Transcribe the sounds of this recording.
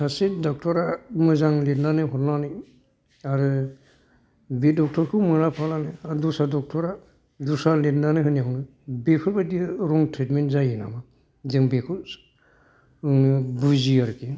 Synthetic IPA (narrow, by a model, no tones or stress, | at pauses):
sasidɔk̚tʰɔɾamɯzaŋletnanɯɦɔtnanɯ | aɾɯ | bidɔk̚tʰɔɾkʰɯmɯɾapʰalanɯadusadɔk̚tʰɔɾa | dusaletnanɯɦɯniɦɔnɯ | bekʰɯɾbadiɾɔŋtɾetmentzajina̰ma | zeŋbekʰu | buziaɾki